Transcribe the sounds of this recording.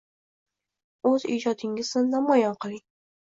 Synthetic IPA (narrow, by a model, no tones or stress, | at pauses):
ɵzḭd͡ʒɒd̪ɪŋʲɪznɪnamɒjɒnqʰɨlˠɪŋ